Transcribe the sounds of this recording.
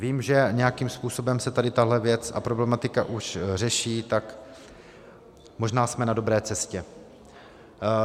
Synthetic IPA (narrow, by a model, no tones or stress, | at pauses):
viːmʒɛɲɛjakimspuːso̞bɛmsɛt̪adɪt̪aɦlɛvjɛt͡sa̰pɾo̞blɛmat̪ɪka̰ʔuʃr̝ɛʃiːt̪ak | mo̞ʒnaːsmɛnado̞bɾɛːt͡sɛscɛ